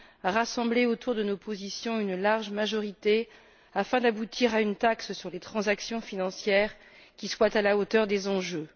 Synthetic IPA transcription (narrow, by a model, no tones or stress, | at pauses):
aʁasɑ̃bleot̪ʰuʁd̪ənopʰozisjɔ̃ynlaʁʒmaʒɔʁit̪e | afɛ̃d̪abut̪ʰiʁaynt̪akssyʁlet̪χɑ̃zaksjɔ̃finɑ̃sjɛːʁ | kʲiswat̪alaot̪œʁd̪ezɑ̃ʒø